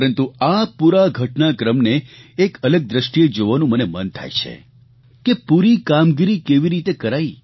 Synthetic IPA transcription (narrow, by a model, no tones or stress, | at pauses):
ɾənt̪uapuɾaɡʱəʈnakɾəmneːkʰələɡ̚d̪ɾəʃʈied͡ʒoʋanũmənemənt̪ʰa̰jt͡ʃʰḛ | kepuɾikamɡiɾikeʋiɾit̪ekəɾai